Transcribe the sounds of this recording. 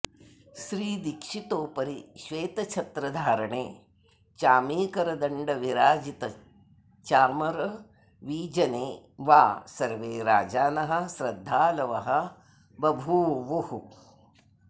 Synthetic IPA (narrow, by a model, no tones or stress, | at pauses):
ʃɾiːd̪ikʂit̪oːpɐɾiʃʋeːt̪ɐt͡ʃʰɐt̪ɾɐd̪ʱaːɾɐɳeː | t͡ʃaːmiːkɐɾɐd̪ɐɳɖɐʋiɾaːd͡ʒit̪ɐ | t͡ʃaːmɐɾɐ | ʋiːd͡ʒɐneː | ʋaːsɐɾʋeːɾaːd͡ʒaːnɐɦɐ̆ʃɾɐd̪ʱːaːlɐʋɐɦɐ̆ | bɐbʱuːʋuhu